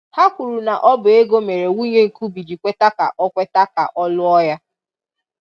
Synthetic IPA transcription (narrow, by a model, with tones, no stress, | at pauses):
ha˦kʷu˨ɾu˨na˨ʔɔ˦bʊ˨e˦ɡo˦me˨ɾe˨wu˦ɲe˦ŋ̩˨ku˦bi˨d͡ʒi˨kʷe˦ta˦ka̰˨ʔɔ˦kʷe˦ta˦ka̰˨ʔɔ˦lʊ˦ɔ˦ja˦